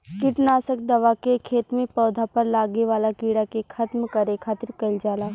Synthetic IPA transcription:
kɪʈnaːsək̚d̪ɐʋakekʰeːt̪mẽpɔːd̪ʱapɐɾlaːɡeʋaːlakiːɽakekʰɐt̪mkɐɾekʰaːt̪ɪɾkɐld͡ʒaːlaː

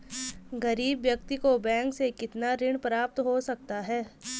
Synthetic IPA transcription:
ɡɐɾiːbʋjɐk̚t̪ikobɛ̃ːŋksekɪt̪naɾɪɳpɾaːp̚t̪ɦosɐk̚t̪aɦɛː

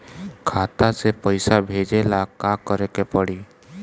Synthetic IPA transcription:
kʰaːt̪asepəɪsabʱeːd͡ʒelakakəɾekepəɽiː

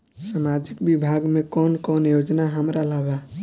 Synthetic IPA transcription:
samad͡ʒikbibʱaɡmekɔnkɔnjod͡ʒnaɦəmɾalaɦba

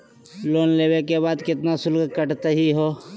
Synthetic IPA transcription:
loːnleːwekeβaːd̪kɪt̪nasʊlɡkəʈt̪eɦiɦoː

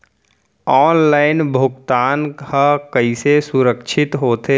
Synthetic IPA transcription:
ɔːnlaːɪnbʱʊɡt̪aːnhakɐisesʊɾəkʃʰɪt̪ɦoːt̪e

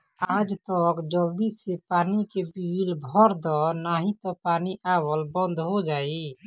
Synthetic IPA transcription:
aːd͡ʒt̪ɔkd͡ʒəld̪isepaːnikebiilbʱɔɾd̪ɔnaːɦĩt̪ɔpaːniʔaːwəlbə̃nd̪ʱɦod͡ʒaːi

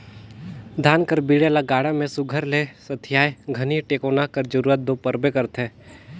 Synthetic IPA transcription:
d̪ʱaːnkəɾbiːɽelaɡaːɽamẽsʊɡʱəɾlesət̪ʰɪjaːjɡʱəniʈeːkoːnakəɾd͡ʒəɾuːɾət̪̚d̪oːpəɾbekəɾt̪ɛ̃ː

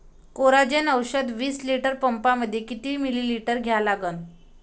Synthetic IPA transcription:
koɾad͡ʑenəwɕəd̪ʋiːsliʈəɾpəmpaməd̪ʱːjekit̪ʋimililiʈəɾɡʱjalaɡən

